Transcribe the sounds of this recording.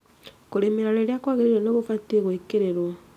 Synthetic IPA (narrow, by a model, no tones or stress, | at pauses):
koɾemeɾaɾeɾjakwaɣeɾiɾenoɣofatiɣwekeɾeɾo